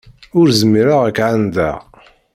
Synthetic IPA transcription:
ʊɾzəmːiɾaʁækʕand̪æ̰

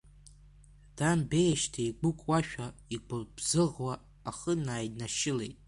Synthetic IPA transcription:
d̥ambe̞jʃtʰajɡʊkʷʼwaʃᶣaiɡʷʊbz̥ɨʁwaː | χənaːjdnaʃɪle̞̰jtʼ

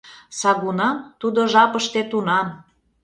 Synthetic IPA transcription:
sɑɣunɑnt̪ud̪oʒɑpəʃt̪et̪unɑn

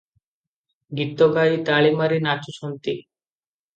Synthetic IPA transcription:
ɡit̪ːoɡajit̪aɭimaɾinat͡ɕusont̪i

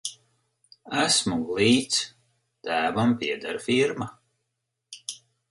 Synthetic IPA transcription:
æsmuɡlˠiːt̪s | t̪æːvampiɛd̪aɾfiɾma

